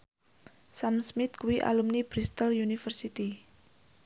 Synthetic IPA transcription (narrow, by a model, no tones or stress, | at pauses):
samsmɪt̪kuwiʔa̰lumnib̥ɾist̪əljunifərsit̪i